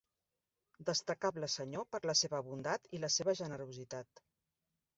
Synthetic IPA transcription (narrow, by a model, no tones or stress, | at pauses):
d̪əst̪əkabləsəɲopəɾləseβəːβund̪at̪iləseβəʒənəɾuzit̪at̪